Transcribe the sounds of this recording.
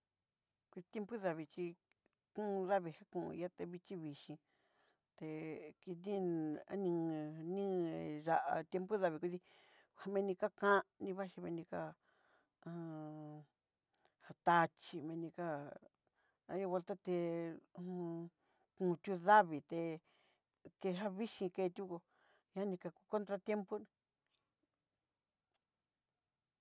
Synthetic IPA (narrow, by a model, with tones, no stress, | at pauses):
kʷi˧i˧t̪je˧mpu˦ða˧βi˧t͡ʃi˧ | kũ˦˧ða˦βi˧ha˦kṵ̃˧ja˦t̪e˧βi˧t͡ʃi˦βi˨ʃĩ˧ | t̪e˧ki˧nĩ˦a̰˦nĩ˧nĩ˦ʒa˧ʔa̰˧t̪je˧mpu˦ða˧βi˧kʷu˧ði˧ | ha˧mẽ˧nĩ˧ka˦kã˦nĩ˧βa˦ʃi˧mẽ˧nĩ˧ka˦˧ | ha˧t̪a˧t͡ʃi˧mẽ˧nĩ˧ka˦ | a˧˦jo˧βe˧lt̪a˦t̪e˧ | kũ˧˨t̪ʲu˧ða˦βi˨t̪e˧ | ke˧ɦa˦βi˦ʃĩ˧ke˧t̪ʲu˦ko˧ | ɲã˦nĩ˧ka˧˨ku̥˧ko˦nt̪ɾa˧t̪je˦mpu˦ñ˧